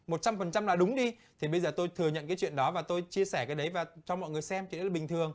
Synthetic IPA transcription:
mo˨˩t̚t͡ɕa˧mfə˨˩nt͡ɕa˧mlaː˨˩ɗʊ˨˦ŋ͡mɗi˧t̪ʰi˨˩ɓə˧jzəː˨˩t̪o˧jt̪ʰɨ˨˩əŋɲə̰˧˨nkaː˨˦jt͡ɕwḭ˧˨nɗɔ˨˦vaː˨˩t̪o˧jt͡ɕi˧əsɛː˧˩kaː˨˦jɗə˨˦jvaː˨˩t͡ɕɔ˧mɔ̰˧˨ŋ˨˩əjsɛ˧mt͡ɕi˧˨˦lːɓï˨˩ŋ̟t̪ʰɨ˨˩əŋ

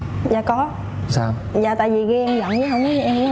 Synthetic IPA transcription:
zaː˨˩kɔ˨˦ | saː˧w | zaː˨˩t̪a̰ː˧˨jvi˨˩ɣi˧ʔɛ˧mzə̰˧˨nə˨˦ɦə˧wŋ͡mkɔ˨˦˧ʔɛ˧˨˦

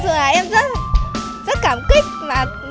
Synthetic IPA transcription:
zə˨˩laː˨˩ʔɛ˧mzə˦˥t̚ | zə˦˥t̚kaː˧˩mkï˦˥k̚vaː˨˩

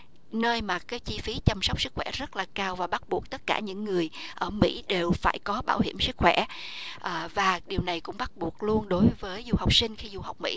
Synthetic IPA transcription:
nəː˧jmaː˨˩kaː˨˦jt͡ɕi˧fi˨˦t͡ɕa˧msa˦˥wk͡p̚sɨ˦˥k̚xwɛ̰˧˩zə˦˥t̚laː˨˩kaː˧wvaː˨˩ɓa˦˥t̚ɓu˨˩ək̚t̪ə˦˥t̚kaː˧˩ɲɨ̰˧˥ŋːɨ˨˩əjʔəː˧˩mḭ˧˥ɗe˨˩wfaː˧˩jkɔ˨˦ɓaː˧˩wɦi˧˩əmsɨ˦˥k̚xwɛ˧˩˥ʔːvaː˨˩ɗi˨˩əwna˨˩jkʊ̰˧˥ŋ͡mɓa˦˥t̚ɓu˨˩ək̚lu˧ənɗo˨˦jvəː˨˦jzu˧ha˨˩wk͡p̚sï˧ŋ̟xi˧zu˧ha˨˩wk͡p̚mḭ˧˥

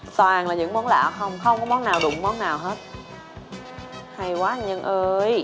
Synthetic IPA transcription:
swaː˨˩ŋlaː˨˩ɲɨ̰˧˥ŋmɔ˨˦nla̰ː˧˨xə˧wŋ͡mxə˧wŋ͡mkɔ˨˦mɔ˨˦nːaː˨˩wɗʊ̰˧˩ŋ͡mmɔ˨˦nːaː˨˩wɦe˦˥t̚ | ha˧jkwaː˨˦˥ɲə˧nʔəː˧j

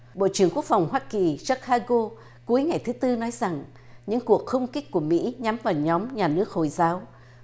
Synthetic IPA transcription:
ɓo̰˧˨t͡ɕɨ˧˩əŋku˦˥ək̚fa˨˩wŋ͡mɦwaː˧ki˨˩za˦˥k̚haː˧ɣo˧ | ku˨˦əjŋa˨˩jt̪ʰɨ˨˦t̪ɨ˧nɔ˨˦jza˨˩ŋ | ɲɨ̰˧˥ŋku˨˩ək̚xə˧wŋ͡mki˦˥k̚ku˧˩əmḭ˧˥ɲa˨˦mvaː˨˩wɲɔ˨˦mɲaː˨˩nɨ˦˥ək̚ho˨˩jzaː˨˦w

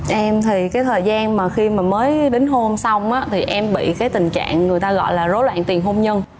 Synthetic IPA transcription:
ʔɛ˧mt̪ʰi˨˩kaː˨˦jt̪ʰəː˨˩jzaː˧nmaː˨˩xi˧maː˨˩məː˨˦jɗe˨˦ŋ̟ɦo˧msa˧wŋ͡mʔaː˨˦t̪ʰi˨˩ʔɛ˧mɓḭ˧˨kaː˨˦jt̪ï˨˩ŋ̟t͡ɕa̰ː˧˨ŋːŋɨ˨˩jt̪aː˧ɣɔ̰˧˨jlaː˨˩zo˨˦jlwa̰ː˧˨nt̪i˨˩ənɦo˧mɲə˧n

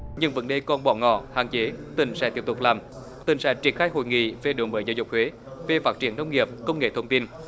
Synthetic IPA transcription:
ɲɨ˧ŋvə̰˨˦nɗe˨˩kɔ˧˩nɓɔ˧˩ŋɔ̰˧˩ha̰ː˧˨t͡ɕe˨˦t̪ï˨˩˦ŋ̟sɛ̰˧˥t̪i˧˩əp̚t̪ʊ˨˩k͡p̚laː˨˩m | t̪ï˨˩ŋsɛ̰˧˥t͡ɕi˧˩ənxaː˧jɦo̰˧˨jŋḭ˧˨ve˨˩ɗo˨˦ŋɓəː˨˦jzaː˨˦wzʊ˨˩k͡p̚hwe˨˦ | ve˨˩faː˦˥t̚t͡ɕi˧˩ənə˧wŋ͡mŋi˨˩əp̚kə˧wŋ͡mŋḛ˧˨t̪ʰə˧wŋ͡mt̪i˧n

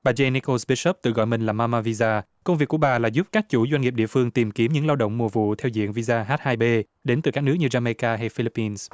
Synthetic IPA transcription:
ɓaː˨˩zɛ˧ni˧ko˧sɓi˦˥ʃə˦˥p̚t̪ɨ̰˧˨ɣɔ̰˧˨jmï˨˩ŋ̟laː˨˩maː˧maː˧vi˧zaː˧ | kə˧wŋ͡mvi˨˩kːu˧˩əɓaː˨˩laː˨˩zu˦˥p̚kaː˦˥k̚t͡ɕu˧˩zwa˧ŋŋi˨˩ɗḭ˧˨əfɨ˧əŋt̪i˨˩mki˨˦əmɲɨ̰˧˥ŋlaː˧wɗə̰˧˨wŋ͡mmu˨˩vṵ˧˨t̪ʰɛ˧wzḭ˧˨ənvi˧zaː˧ɦaː˦˥t̚haː˧jɓe˧ | ɗe˨˦nt̪ɨ˨˩ka˦˥k̚nɨ˦˥əkɲɨ˧zaː˧me˧kaː˧ɦa˧jfi˧li˦˥pːi˧ns

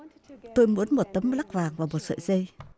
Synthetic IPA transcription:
t̪o˧jmu˨˦ənmo˨˩t̚t̪ə˨˦mla˦˥k̚vaː˨˩ŋvaː˨˩mo˨˩t̚sə̰˧˨jzə˧j

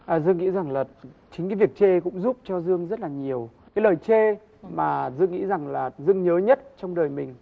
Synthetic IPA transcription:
ʔəː˨˩zɨ˧əŋḭ˧˥za˨˩ŋlaː˨˩t͡ɕï˨˦ŋkaː˨˦vi˨˩ək̚t͡ɕe˧kʊ̰˧˥ŋ͡mzu˦˥p̚t͡ɕɔ˧zɨ˧əŋzə˦˥t̚laː˨˩ɲi˨˩əw | kaː˨˦jləː˨˩jt͡ɕe˧ | maː˨˩zɨ˧əŋḭ˧˥za˨˩ŋlaː˨˩zɨ˧əŋɲəː˨˦ɲə˦˥t̚t͡ɕɔ˧wŋ͡mɗəː˨˩jmï˨˩ŋ̟

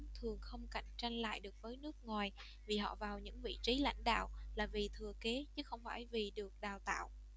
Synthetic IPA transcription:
t̪ʰɨ˨˩əŋxə˧wŋ͡mka̰˧˨jŋ̟t͡ɕa˧jŋ̟la̰ː˧˨jɗɨ˨˩ək̚vəː˨˦jnɨ˦˥ək̚ŋwaː˨˩j | vi˨˩ɦɔ̰˧˨vaː˨˩wɲɨ̰˧˥ŋvḭ˧˨t͡ɕi˨˦la̰˧˥jŋ̟ɗa̰ː˧˨wlaː˨˩vi˨˩t̪ʰɨ˨˩əke˨˦t͡ɕɨ˨˦xə˧wŋ͡mfa̰ː˧˩jvi˨˩ɗɨ˨˩ək̚ɗaː˨˩wt̪a̰ː˧˨w

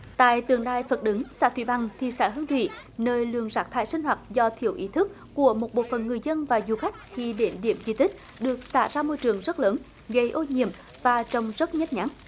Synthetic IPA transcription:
t̪a̰ː˧˨jt̪ɨ˨˩əŋɗaː˧jfə˨˩t̚ɗɨ˨˦ŋsa̰ː˧˥t̪ʰwḭ˧˩ɓa˧˩ŋt̪ʰi˨˩sa̰ː˧˩ɦɨ˧ŋt̪ʰwḭ˧˨nəː˧jlɨ̰˧˨əŋzaː˨˥t̪ʰa̰ː˧˨jsi˧ŋ̟hwaː˨˩t̚zɔ˧t̪ʰi˧˩əwʔi˨˦t̪ʰɨ˦˥k̚ːu˧˩əmo˨˩t̚ɓo̰˧˨fə˧˨nŋɨ˨˩əjzə˧nvaː˨˩zu˨˩xa˦˥jk̟̚xi˧ɗe˨˦nɗḭ˧˩əmzi˧t̪ï˦˥k̟̚ | ɗɨ˨˩ək̚sa̰ː˧˥zaː˧mo˧jt͡ɕɨ˨˩əŋzə˦˥t̚ləː˨˦n | ɣə˧jʔo˧ɲḭ˧˨əm | vaː˨˩t͡ɕə˧wŋ͡mzə˦˥t̚ɲə˦˥t̚ɲa˨˦n

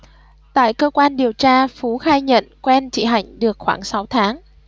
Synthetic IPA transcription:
t̪a̰ː˧˨jkəː˧kwaː˧nɗi˨˩əwt͡ɕaː˧fu˨˦xaː˧jɲə̰˧˨nkwɛ˧nt͡ɕḭ˧˩ɦa˧˩jŋ̟ɗɨ˨˩ək̚xwaː˧˩ŋsa˨˦wt̪ʰaː˨˦ŋ

